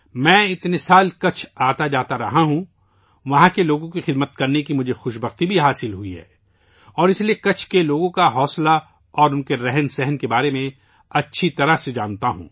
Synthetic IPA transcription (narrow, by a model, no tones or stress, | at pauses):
mɛ̃ːɪt̪nesaːlkɐt͡ʃʰaːt̪ad͡ʒaːt̪aɾɐɦaɦũ | ʋɐɦãkeloːɡõkixɪd̪mət̪kɐɾnekimʊd͡ʒʱexʊʃbəxt̪ibʱiɦaːsɪlɦʊiɦɛ̰ː | ɔːɾɪsliekɐt͡ʃʰkeloːɡõkaɦɔːsla | ɔːɾʊnkeɾɛɦnsɛɦɛnkebaːɾemẽ | ɐtːʃʰit̪ɐɾaɦsed͡ʒaːnt̪aɦṵ̃ː